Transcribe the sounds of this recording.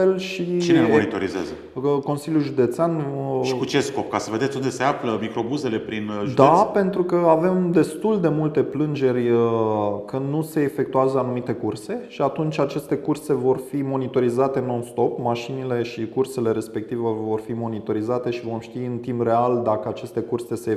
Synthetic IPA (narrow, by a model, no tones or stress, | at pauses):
e̞lʃit͡ʃinelmonit̪o̞ɾizea̰zə | ko̞nsiljuʒud̪e̞t̪seanʃikut͡ʃe̞sko̞p̚kasəve̞d̪etsʲund̪e̞se̞afləmikɾo̞buze̞le̞pɾinʒud̪ape̞nt̪ɾukəave̞md̪e̞st̪uld̪e̞mult̪e̞plɨnd͡ʒe̞rʲəkɨnnuse̞ːfe̞k̚t̪uazəanumit̪e̞kurse̞ʃiat̪unt͡ʃʲat͡ʃe̞st̪e̞kurse̞vo̞rfimo̞nit̪o̞ɾizat̪enonst̪o̞pmaʃinile̞ʃikurse̞le̞ɾe̞spe̞k̚t̪ivəvo̞rfimo̞nit̪o̞ɾizat̪e̞ʃivo̞mʃt̪iɨnt̪imbre̞ald̪akəat͡ʃe̞st̪e̞kurse̞se̞